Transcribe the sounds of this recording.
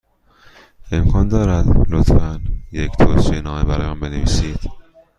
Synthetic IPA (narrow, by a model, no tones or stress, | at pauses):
ʔe̞mkʰɒːnd̪ɒːɾæd̪lot̪fænject̪ʰoːʃinɒːmebæɾɒ̰ːjemæmbe̞nevḭːsiːd̪̥